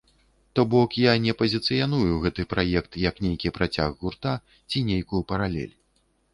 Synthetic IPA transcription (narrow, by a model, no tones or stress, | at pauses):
t̪ɔbɔkjanʲɛpɐzʲit̪sɨjan̪ujuɣɛt̪ɨpɾʔajɛkt̪jɐknʲejkʲipɾʔat͡sʲaɣɣurt̪a | t͡sʲinʲejkujupɐɾalʲɛ̰lʲ